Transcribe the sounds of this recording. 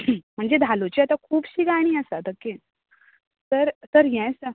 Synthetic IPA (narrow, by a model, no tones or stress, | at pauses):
m̤əɳd͡zed̪ʱalot͡ɕiat̪akʰuːbɕiɡaɽ̃iːəsad̪əkːin | t̪əɾt̪əɾɦjɛ̃jsə